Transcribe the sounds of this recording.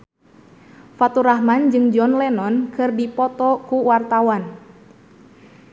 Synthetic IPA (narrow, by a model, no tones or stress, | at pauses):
fat̪uɾahmand͡ʒɨŋd͡ʒɔnlɛnɔnkɨrdipɔt̪ɔkuwart̪awan